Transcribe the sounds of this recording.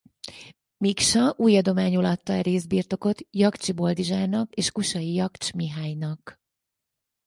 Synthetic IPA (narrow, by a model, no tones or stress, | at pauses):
mikʃɒʔuːjɒd̪o̞maːɲulɒt̪ːɒɛɾeːzbiːrt̪o̞ko̞t̪jɒkt͡ʃibo̞ld̪iʒaːrnɒkeːʃkuʃɒjijɒkt͡ʃmiɦaːjnɒk